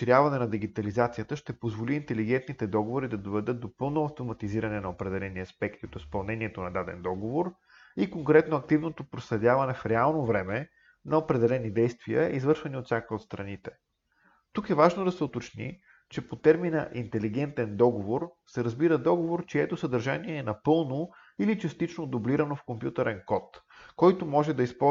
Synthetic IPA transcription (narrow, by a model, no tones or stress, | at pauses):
ʃiɾʲjavɐnɛnɐd̪iɡit̪ɐlizat̪sijət̪əʃt̪ɛpozvoliːnt̪ɛliɡ̟ɛnt̪nit̪ɛd̪ɔɡovoɾid̪ɐd̪ovɛd̪ɤt̪̚d̪opɤlˠnoɐft̪omɐt̪iziɾɐnɛnɐopɾɛd̪ɛlɛniɐspɛkt̪iot̪ispɐlˠnɛniɛt̪onɐd̪ad̪ɛ̰nd̪ɔɡovoɾ | ikoŋkɾɛt̪noɐk̚t̪ivnot̪opɾoslɛd̪ʲavɐnɛfɾɛalˠnovɾɛmɛ | nɐopɾɛd̪ɛlɛnid̪ɛjst̪viə̰izvɤɾʃvɐniot̪sʲjakiot̪st̪ɾɐnit̪ɛ | t̪ukɛvaʒnod̪ɐsɛot̪ot͡ʃnḭ | t͡ʃɛpot̪ɛɾminə̰ʔint̪ɛliɡ̟ɛnt̪ɛnd̪ɔɡovoɾ | sɛɾəzbiɾəd̪ɔɡovoɾt͡ʃiɛt̪osəd̪əɾʒaniɛːnɐpɤlˠno | ilit͡ʃɐst̪it͡ʃnod̪obliɾɐnofkompjut̪ɛɾɛnkɔt̪kɔjt̪omɔʒɛd̪ɐispɔ